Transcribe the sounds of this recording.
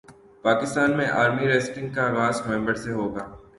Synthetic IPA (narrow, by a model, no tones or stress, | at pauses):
paːkɪst̪aːnmẽʔaːɾmiɾeːsʈɪ̃ŋɡkaaːɣaːzkɛ̃ːmbəɽseɦoːɡaː